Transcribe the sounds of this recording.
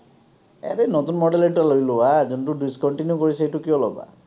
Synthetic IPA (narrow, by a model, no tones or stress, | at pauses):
ḛɾenotunmɔɖelɛnʈalojlowazuntudiskɔnʈinjukɔɹisejtukiɔlɔba̰